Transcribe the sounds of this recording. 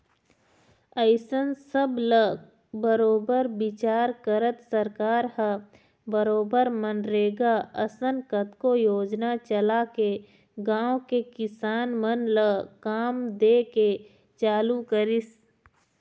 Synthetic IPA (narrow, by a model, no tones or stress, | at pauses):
əɪsənsəblə | bəɾoːbəɾbɪt͡ʃaːɾkəɾət̪səɾkaːɾhə | bəɾoːbəɾmənɾeːɡaəsənkət̪kojoːd͡ʒnat͡ʃəlake | ɡãːwõkekɪsaːnmənləkaːmd̪eːke | t͡ʃaːlukəɾɪs